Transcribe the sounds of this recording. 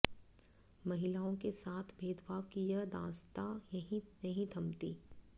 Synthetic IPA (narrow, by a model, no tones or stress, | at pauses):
mɐɦɪlaːõkesaːt̪ʰbʱeːd̪bʱaːʋkijəd̪ã̰ːst̪aɦĩnɐɦĩd̪ʱɐmt̪iː